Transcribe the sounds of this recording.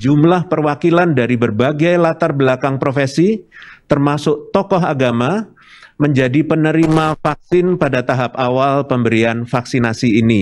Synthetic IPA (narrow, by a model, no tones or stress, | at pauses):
d͡ʒumlahpərwakilandaɾibərbaɡajlat̪arbəlakaŋpɾofesit̪ərmasʊk̚t̪ɔkɔɦaɡama | məɲd͡ʒadipənəɾimafak̚sɪnpadat̪aɦap̚awalpəmbəɾianfaksinasiːni